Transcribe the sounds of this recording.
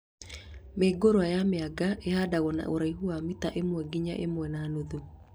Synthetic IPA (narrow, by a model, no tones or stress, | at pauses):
meɡoɾoajameaɡaʔehadaɣɔna̰ʔoɾaiɦuamitaʔemwɛɡiɲa̰ʔemwɛnaːnoðo